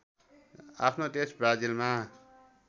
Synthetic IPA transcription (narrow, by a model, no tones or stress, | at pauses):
a̰pʰnot̪esbɾad͡zilma